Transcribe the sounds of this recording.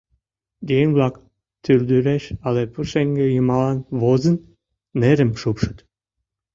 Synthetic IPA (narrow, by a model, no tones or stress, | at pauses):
d̪ʲeŋblˠɑk | t̪ʰyld̪yɾæʃɑlepʰuʃeŋɡejumɑlɑnβozə̆nː | eɾɘ̆mʃupʃɨ̥̆t̪